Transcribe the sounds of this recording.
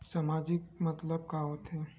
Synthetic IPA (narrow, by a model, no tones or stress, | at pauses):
samad͡ʒikmət̪ləbkaɦoːt̪ɦe